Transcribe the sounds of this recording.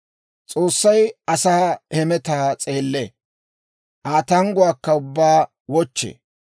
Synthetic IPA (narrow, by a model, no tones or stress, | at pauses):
t͡sʼo̞ːsːɐjɐsaːɛmɛt̪aːt͡sʼeːlːe | ʔaːt̪ɐŋɡʊwaːkːɐʊbːaː | wɔt͡ʃːḛː